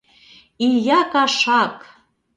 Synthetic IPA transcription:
ijɑkɑʃɑk

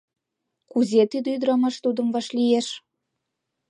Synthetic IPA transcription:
kuzʲet̪yd̪yd̪əɾɑmɑʃt̪ud̪ə̆mvɑʃlijeʃ

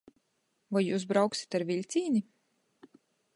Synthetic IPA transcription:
vajjuːs̬bɾawksi̥t̪aɾvʲilʲt̪sʲiːnʲi

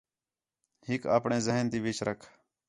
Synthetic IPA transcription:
hɪka̰ːpɳẽːzəɦənt̪iːʋɪt͡ʃɾʔəkʰ

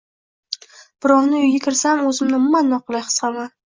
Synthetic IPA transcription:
b̥ɪɾɒwnɪʊjɡʲakʲʰɪɾsamɵzɪmnɪmʊmanːɒqlˠajχɨ̥sama

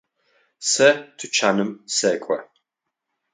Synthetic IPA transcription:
sɛtʰut͡ʃʰanɨmsɛːkʷʼɐ̰

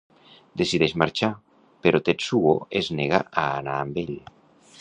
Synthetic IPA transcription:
d̪esiðezmaɾt͡ʃa | peɾot̪et̪suo̰ezneɣa̰aanaːmbeʎ

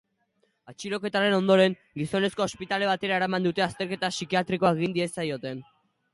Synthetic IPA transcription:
at͡ʃiɾo̞ke̞t̪aɾe̞no̞nd̪o̞ɾe̞ŋ | ɡiso̞ne̞sko̞ːspit̪ale̞βat̪e̞ɾae̞ɾamand̪ut̪e̞ast̪e̞ɾket̪asikiat̪ɾiko̞aeɣ̞ind̪ie̞sajo̞t̪e̞n

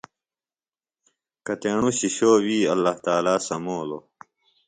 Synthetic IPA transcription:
kɐt̪eːɳuɕiɕoːwiːɐlːaht̪aːlaːsɐmoːlo

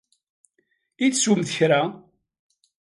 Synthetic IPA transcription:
iθsumθəçɾa

